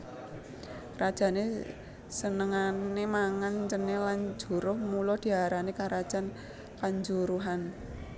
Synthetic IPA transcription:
rad̥ʒ̥a̤ne | sənəŋanemaŋant͡ʃənːeland͡ʒṳɾʊhmulɔd̪̥i̤ɦaɾanekaɾad̥ʒ̥a̤n | kaɲd͡ʒuɾuɦan

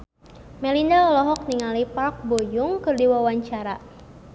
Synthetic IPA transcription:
mɛlindalɔlɔɦɔk̚niŋalipark̚bojʊŋkɨrdiwawaɲt͡ʃaɾa

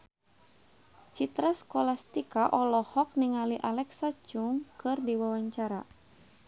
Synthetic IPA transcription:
t͡ʃit̪ɾaskɔlast̪ikaʔɔlɔhɔk̚niŋaliʔalɛksat͡ʃuŋkɨrdiwawaɲt͡ʃaɾa̰

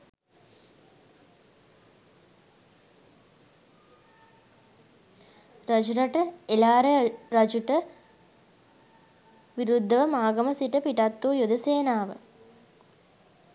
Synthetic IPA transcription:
ɾɐd͡ʒuɾɐʈəelaːɾəɾɐd͡ʒuʈə | ʋiɾud̪ʱːɐʋəmaːɡɐmɐsiʈəpiʈat̪ːujud̪ɐseːnaːʋə̰

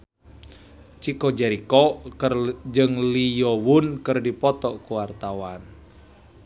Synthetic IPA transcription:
t͡ʃikɔd͡ʒɛɾikɔ | d͡ʒɨŋlijɔwunkɨrdipɔt̪ɔkuwart̪awan

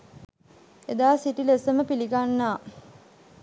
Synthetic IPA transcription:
ed̪aːsiʈilesəməpiliɡanːaː

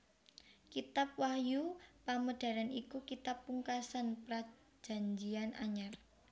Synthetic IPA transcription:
kit̪ap̚wahjupaməd̥a̤ɾanikukit̪apːuŋkasanpɾḁ | d͡ʒ̥a̤ɲd͡ʒianʔa̰ɲar

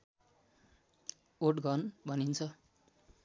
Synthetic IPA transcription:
oʈɡʱʌnbʱʌnint͡sʰʌ

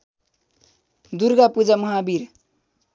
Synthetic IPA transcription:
d̪uɾɡapud͡zamʌɦabiɾ

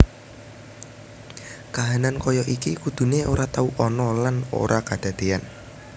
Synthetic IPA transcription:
kaɦanankɔjɔʔikikud̪̥ṳneoɾat̪auʔɔnɔlano̰ɾʔakad̪̥a̤d̪̥e̤an

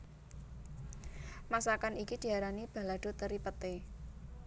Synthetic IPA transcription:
masakanikid̪̥i̤aɾanib̥a̤laɖ̥o̤t̪əɾipət̪e

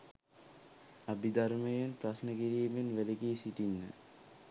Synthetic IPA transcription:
abid̪aɾmejanprasnəkiɾiːbenʋelekiːsiʈinːə̰

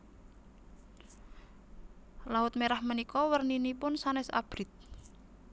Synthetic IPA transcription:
laʊt̪̚meɾahmənikɔwərninipʊnsanɛsa̰b̥ɾit̪̚

